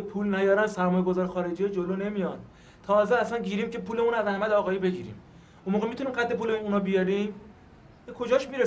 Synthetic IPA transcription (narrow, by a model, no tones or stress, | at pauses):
pʰuːlnæjɒːɾænsæɾmɒːjeɡozɒːɾxɒːɾed͡ʒijed͡ʒoloːne̞mijɒd̪ | t̪ʰɒːzeæsænɟiːɾiːmcʰe̞pʰuːlemunæzæhmæd̪eɒːɣɒːjiːbe̞ɟiːɾḭːm | unmoːɣemit̪unimɢæt̪ːe̞puːleuːnɒbijɒɾim | bekʰo̞d͡ʒɒːʃmiɾe